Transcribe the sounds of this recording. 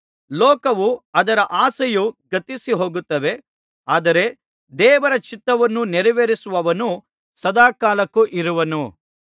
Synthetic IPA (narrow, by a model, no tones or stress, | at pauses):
lɔːkɐʋuɐd̪ɐɾɐʔaːsɐjuɡɐt̪isiɦo̞ːɡut̪ːɐʋe̞ | aːd̪ɐɾe̞ | d̪ɛːʋɐɾɐt͡ʃit̪ːɐʋɐnːunɛɾiʋeɾisuʋɐʋɐnu | sɐd̪aːkaːlɐkːuʔiɾuʋɐnu